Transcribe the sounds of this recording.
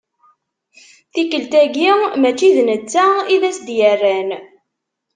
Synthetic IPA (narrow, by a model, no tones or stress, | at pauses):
θikəlt̪æɡimæt͡ʃːiðnət͡sːæiðæsd̪jərːæn